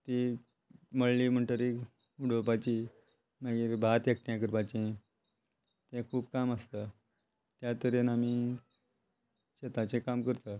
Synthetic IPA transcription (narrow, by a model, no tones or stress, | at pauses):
t̪i | məɭːiːm̤əɳʈəɾi | uɽ̤opat͡ɕiː | maɡiɾbʱat̪jək̚ʈjãk̬əɾpat͡ɕe | t̪ɛ̃kʰuːpkaməst̪a | t̪jat̪əɾenami | ɕet̪at͡sẽkamkəɾt̪a